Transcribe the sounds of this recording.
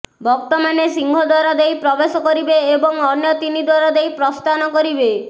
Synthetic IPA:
bɔk̚t̪ɔmanesiŋɡʱɔd̪waɾɔd̪ejpɾɔbesɔkɔɾibeːbɔŋɔnjɔt̪inid̪waɾɔd̪ejpɾɔst̪anɔkɔɾibe

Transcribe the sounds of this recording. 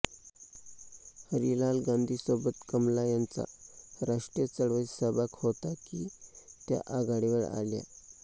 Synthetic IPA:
həɾilalɡãnd̪ʱiːsobət̪kəmlajant͡sa̰ɾaʂʈɾət͡səɽʋəisəbakhot̪akiːt̪ja̰ʔaɡaɽiʋəɭa̰lja̰

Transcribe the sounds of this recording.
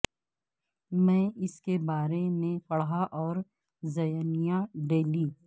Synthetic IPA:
mɛ̃ːɪskebaːɾemẽpɐɽɦaʔɔːɾ | zɐjənijaɖeːliː

